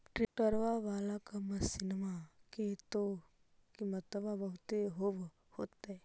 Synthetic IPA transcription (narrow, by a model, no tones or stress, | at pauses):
ʈɾiʈəɾʋaʋaːlakaməsɪnmaket̪o | kimɐt̪əbabəɦʊt̪eɦoʋ | hoːt̪ːae